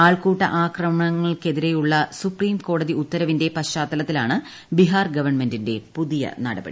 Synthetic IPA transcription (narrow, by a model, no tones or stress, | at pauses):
aːɭkuːʈːɐ̰ʔaːkrɐmɐɳɐŋːɐɭke̞ðiɾe̞juɭːɐsupriːmko̞ːɽɐðiut̪ːɐɾɐʋinde̞pɐɕaːt̪ːɐlɐt̪ːilaːɳɨ | biɦaːrɡɐʋɐrɳme̞ndinde̞puðijɐ̰nɐɽɐbɐ̰ɽḭ